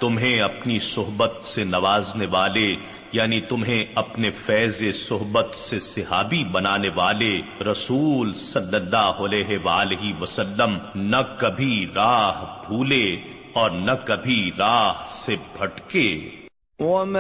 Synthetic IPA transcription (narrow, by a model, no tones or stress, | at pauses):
t̪ʊmɦẽɐpnisʊɦbət̪senɐʋaːzneʋaːle | jaːnit̪ʊmɦẽɐpnefɛːzesʊɦbət̪sesɪɦaːbibɐnaːneʋaːleɾɐsuːlsɐlːəlːaːɦɐleːɦeʋaːleɦiʋɐsəlːəmnɐkɐbʱiɾaːɦbʱuːle | ɔːɾnɐkɐbʱiɾaːɦsebʱɐʈkeː